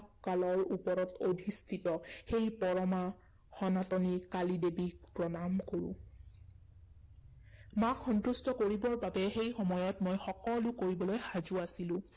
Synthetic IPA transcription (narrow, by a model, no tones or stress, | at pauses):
kalɔɹupɔɹɔtʰodʱistʰitɔxejpɔɹɔma | xɔnatɔnikalidebik̚pɹɔnamkoɹʊ̰̃ | makxɔntɹustɔkoɹibɔɹbabɛxejxɔmɔjɔtmojxɔkɔlʊkoɹibɔlojxazuasilʊ̃